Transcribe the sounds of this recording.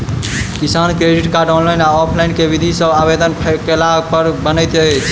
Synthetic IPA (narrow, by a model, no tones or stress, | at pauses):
kisankɾeɖiʈkaɾɖɔnlajnaɔpʰlajnkebid̪ʱisəbabed̪ənpʰkelapəɾbənəjt̪ət͡ʃʰ